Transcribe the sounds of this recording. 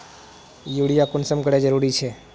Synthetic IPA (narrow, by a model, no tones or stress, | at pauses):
juːɽijakʊnsəmkəɽed͡ʒəɾuːɾit͡ʃʰe